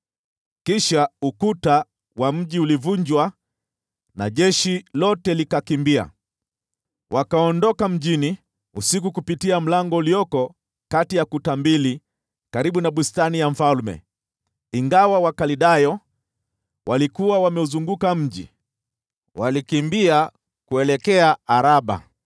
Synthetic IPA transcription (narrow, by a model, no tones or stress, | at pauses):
kiʃaukuta | wam̩ʄiulivuɲd͡ʒwa | na̰ʄɛʃilɔtɛlikakimbia̰ | wʔakaɔndɔkam̩ʄini | usik̬ukupitiam̩laŋɡɔulijɔkɔ | katijakutambili | kaɾiɓunaɓustanijam̩falmɛ̰ | iŋɡawawakaliɗajɔ | wʔalikuwawamɛuzuŋɡukam̩ʄḭ | walikimbia | kuɛlɛkɛaaɾaɓa̰